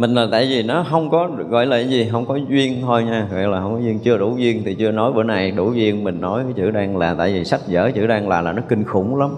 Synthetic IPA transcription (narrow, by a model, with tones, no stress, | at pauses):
mï˨˩ŋ̟laː˨˩t̪a̰ː˧˨jvi˨˩nɔ˨˦ɦə˧wŋ͡mkɔ˨˦ | ɣɔ̰˧˨jlaː˧˨˩zi˨˩ɦə˧wŋ͡mkɔ˨˦zwi˧ənt̪ʰo˧jɲaː˧ɔ̰˧˨jlaː˨˩ɦə˧wŋ͡mkɔ˨˦zwi˧ənt͡ɕɨ˧əɗu˧˩zwi˧ənt̪ʰi˨˩t͡ɕɨ˧ənɔ˨˦jʔəː˧˩na˨˩jɗu˧˩zi˧ənmï˨˩ŋ̟nɔ˨˦jt͡ɕɨ̰˧˩ɗaː˧ŋlaː˨˩t̪a̰ː˧˨jvi˨˩sa˦˥jt̚zə̰ː˧˩t͡ɕɨ̰˧˩˦ɗaː˧ŋlaː˨˩laː˨˩nɔ˨˦kï˧ŋ̟xʊ˧˩wŋ͡mla˨˦m